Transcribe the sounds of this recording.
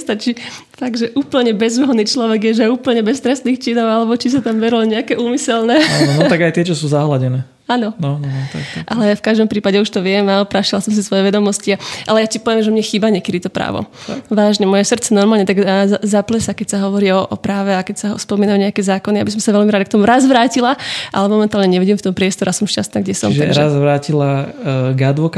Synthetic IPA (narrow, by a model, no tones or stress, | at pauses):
st̪at͡ʃi | faɡʒɛʔuːpl̩ɲɛbɛzuɦɔd̪niːt͡ʃlɔʋɛɡjɛʒɛuːpl̩ɲɛbɛst̪ɾɛst̪niːxt͡ʃinɔʊalɛbɔt͡ʃis̬at̪amʋɛɾilɲɛakɛʔuːmisɛlnɛanɔnɔt̪aɡajt̪ɪɛt͡ʃɔsuːzaɦlaɟɛnɛː | aːnɔnɔnt̪a̰kʔalɛafkaʒd̪ɔmpɾiːpaɟɛuʃt̪ɔʋɪɛmaɔpɾaʃilasɔms̬isʋɔjɛʋɛd̪ɔmɔsciaʔalɛjacipɔʋjɛmʒɛmɲɛxiːbaɲɛkɛd̪it̪ɔpɾa̰ːʋɔ̰ʋaːʒɲɛmɔjɛsrt͡sɛnɔɾmaːlɲɛt̪aɡazaplɛsakɛcsaɦɔʋɔɾiɔʔɔpɾaːʋɛakɛcsaspɔmiːnamɲɛakɛzaːkɔnijabisɔmsaʋɛlmiɾaːd̪kt̪ɔmuɾazʋɾaːcilaʔa̰lɛmɔmɛnt̪aːlɲɛɲɛʋiɟiːmft̪ɔmpɾɪɛst̪ɔɾɛasɔmʃca̰st̪naːɡɟɛsɔ̰mʒɛɾɾazʋɾaːcilaɡad̪ʋɔk